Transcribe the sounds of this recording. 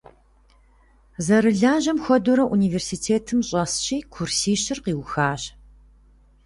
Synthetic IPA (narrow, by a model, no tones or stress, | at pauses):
zɐɾɨɮaːʑɐmxʷɔduɾɐʔuniːversitʰeːtʰɨmɕʼɐsɕiːkʰursiːɕɪrqiːwxaːɕ